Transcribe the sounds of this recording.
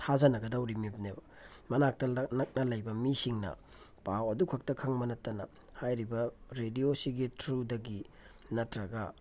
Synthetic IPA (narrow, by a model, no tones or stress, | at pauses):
tʰazɐnɐɡɐdawɾimib̚nebɐ | mɐnak̚tɐlnɐk̚nɐlɐjbɐmisiŋnɐ̰ | pawɐdukʰɐk̚tɐkʰɐŋmɐnɐtːɐnɐ | hajɾibɐɾediosiɡitʰɾudɐɡi | nɐtɾɐɡɐ